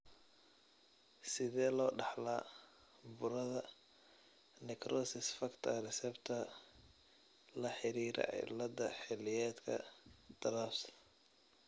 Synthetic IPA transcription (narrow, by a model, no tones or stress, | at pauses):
sɪðɛːlɔːɖɑħlaː | bʊɾɐðɐ | nɪkʰɾɔːsɪsfɐkt̪ʰɐrɛsɛbt̪ʰɐ | lɐħɪɾiːɾɐ̰ʕ̰lɐd̪ɐħɪlɪjɛːd̪kʰɐ̰d̪̥ɐɾaːfs